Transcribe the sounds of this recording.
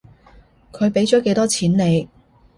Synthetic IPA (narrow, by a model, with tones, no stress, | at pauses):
kʰɵ˨˧ɥpe˨˥jt͡ʃɔː˨˥ke˨˥jt̪ɔː˥t͡sʰiː˨˥nne˨˧j